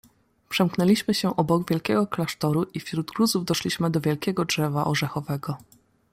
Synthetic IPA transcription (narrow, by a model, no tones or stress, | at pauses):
pʂɛmknɛlʲiɕmɘɕɛʔɔbɔɡvʲjɛlkʲɛɡɔklaʂt̪ɔɾuʔifɕɾud̪ɡɾuzuvd̪ɔʂlʲiɕmɘd̪ɔvʲjɛlkʲɛɡɔdʐɛvaʔɔʐɛxɔvɛɡɔ